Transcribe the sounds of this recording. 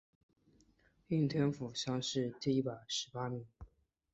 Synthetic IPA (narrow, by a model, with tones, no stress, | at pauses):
y˥˩ŋt̪ʰjɛ˥nfu˨˩ɕjɑ˥ŋʂɻ̩˥˧t̪i˥˧i˥˩pa˨˩ɪʂɻ̩˧˥pa˥mi˧˥ŋ